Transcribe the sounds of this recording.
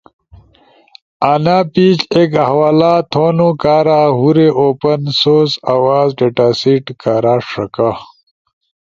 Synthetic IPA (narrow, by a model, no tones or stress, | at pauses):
aːnaːpiːt͡ɕekawaːlaːt̪ʰoːnukaːɾaːɦuɾeʔoːpɐnsoːzawaːzɖeʈaːsiʈkaːɾaːʂɐka